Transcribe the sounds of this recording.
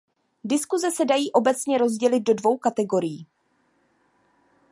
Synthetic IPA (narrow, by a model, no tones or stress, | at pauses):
dɪskuzɛsɛdajiːʔo̞bɛt͡sɲɛɾo̞zɟɛlɪd̪̚do̞dvo̞wkat̪ɛɡo̞ɾɪjiː